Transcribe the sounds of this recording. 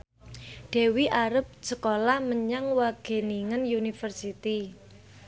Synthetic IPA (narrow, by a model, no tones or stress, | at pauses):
ɖ̥e̤wiʔaɾəp̚səkolahməɲaŋwaɡ̥e̤niŋənjunifərsit̪i